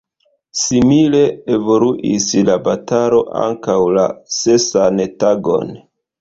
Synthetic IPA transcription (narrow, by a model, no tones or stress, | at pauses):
simile̞evo̞luʔislabataɾo̞ʔa̰ŋkawla̰sesantaɡo̞̰n